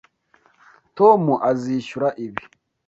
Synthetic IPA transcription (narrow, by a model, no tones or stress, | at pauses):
tomuʔaziːʃuɾaʔiβi